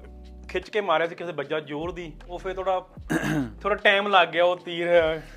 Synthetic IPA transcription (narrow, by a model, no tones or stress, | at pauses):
kʰɪt͡ʃkeːmaːɾeaːsiːkɪseːbəd͡ʒaːd͡ʒoːɾd̪iː | oːpʰɪɾt̪ʰoːɽaː | t̪ʰoːɽaːʈɛ̃ːmlaːɡːɪjaːoːt̪iːɾɦɛaː